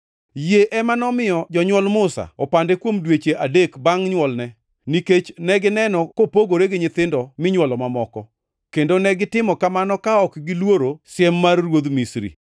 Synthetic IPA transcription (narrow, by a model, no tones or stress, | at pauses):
jeʔɛmanɔmɪjɔd͡ʒɔɲwɔlmʊsa̰ɔpandekwomdwet͡ʃeʔadekbaŋɲwɔlnɛ | niket͡ʃnɛɡɪnɛnɔkopoɡoɾeɡɪɲɪt̪ɪndɔmɪɲwɔlɔmamɔkɔ | kendonɛɡɪtɪmɔkamanɔkaɔkɡɪlwoɾosɪɛmːarrwod̪misɾḭ